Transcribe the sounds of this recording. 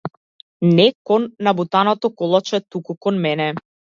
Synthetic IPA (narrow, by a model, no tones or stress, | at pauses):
nɛkɔnːabut̪anɔt̪ɔkɔlˠat͡ʃɛt̪ukukɔnmɛnɛ